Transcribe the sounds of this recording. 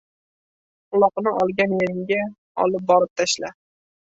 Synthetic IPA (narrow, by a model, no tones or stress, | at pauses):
ʊlˠɒqnɪʔɒlˠɡʲanjeɾɪɡʲa | ɒ̰lˠɪp̚bɒɾɪp̚t̪ʰaʃla